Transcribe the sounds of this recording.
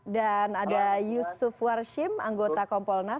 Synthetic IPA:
danadajusufwarʃɪmaŋɡot̪akɔmpɔlna

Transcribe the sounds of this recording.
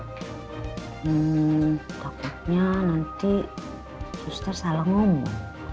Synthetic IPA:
m̩ | t̪akut̪̚ɲanant̪i | sust̪arsalaŋɔmɔ̰ŋ

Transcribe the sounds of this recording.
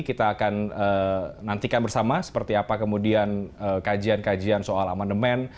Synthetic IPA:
kit̪aːkanəːant̪ikanbərsamasə̥pərt̪iapakəmudianəkad͡ʒiankad͡ʒiansoalamandəmɛn

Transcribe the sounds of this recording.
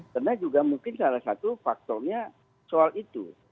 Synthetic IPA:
karnad͡ʒuɡamuŋkɪnsalahsat̪ufak̚t̪ɔrɲa | soalit̪ṵ

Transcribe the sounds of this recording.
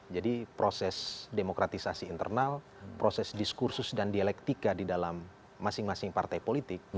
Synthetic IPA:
d͡ʒadipɾosɛsdemokɾat̪isasiːnt̪ə̰rnal | pɾosɛsdiskursʊsdandialɛk̚t̪ikadidalamː | asɪŋmasɪŋpart̪ajpolit̪ɪk̚

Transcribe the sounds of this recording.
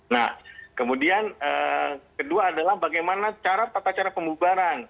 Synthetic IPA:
na̰hkəmudianəkəduaːdalahbaɡajmanat͡ʃaɾap̪at̪at͡ʃaɾapəmbubaɾan

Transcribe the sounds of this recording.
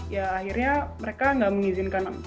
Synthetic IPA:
jaːhirɲaməɾekaŋɡaʔməŋizinkan

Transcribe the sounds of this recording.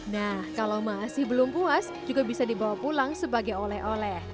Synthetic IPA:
nahkalawmasɪhbəlʊmpuas | d͡ʒuɡabisadibawapulaŋsəbaɡajolɛhʔolɛh

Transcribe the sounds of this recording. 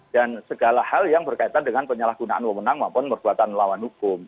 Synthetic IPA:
d̥ansəɡalahaljaŋbərkait̪andəŋanpəɲəlahɡ̥unaʔanwəmənaŋmampʊnpərb̥uat̪anlawanhukʊm

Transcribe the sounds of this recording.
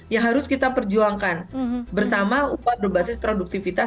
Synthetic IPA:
jaŋɦaɾʊskit̪apərd͡ʒuaŋkanbərsamaupabərbasɪspɾoduk̚t̪ifit̪a

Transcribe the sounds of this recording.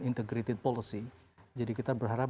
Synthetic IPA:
int̪ɛɡɾit̪ipolisid͡ʒadikit̪abərɦaɾa

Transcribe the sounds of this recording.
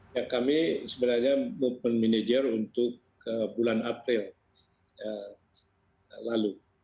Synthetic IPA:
jakamisəbənarɲamupmənmined͡ʒərunt̪ʊk | əbulanapɾɪl | ə | lalu

